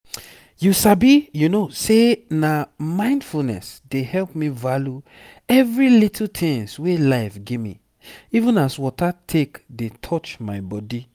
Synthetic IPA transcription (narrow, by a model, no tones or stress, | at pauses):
jusabijunosenamãɪ̃ndfulnɛ̰sdehɛlpmivalju | ɛvɹilitʰl̩tʰĩŋswelaɪfɡemḭ̃ | ivũnaswɔtatʰekdetʰɔt͡ʃmaɪbɔdi